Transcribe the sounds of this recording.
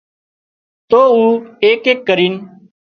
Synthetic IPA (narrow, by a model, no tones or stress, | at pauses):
t̪oːuːeːkeːkːəɾiːn